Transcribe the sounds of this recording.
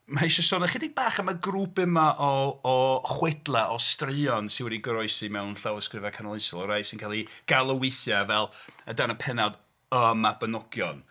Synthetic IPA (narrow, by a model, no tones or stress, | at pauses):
maiʃəsɔnaχidibaːχəmaɡruːpɪmaʔɔɔχwɛdlˠɛʔɔstrɨɔnsɪnwɛdiɡɾɔɨsimɛwnɬawəskrɪvakʰanɔlˠɪsɔlˠɔɾajsɪnkʰalˠiɡ̥alˠəwɪθjavɛlˠədanapʰɛnad | əmabənɔɡjɔn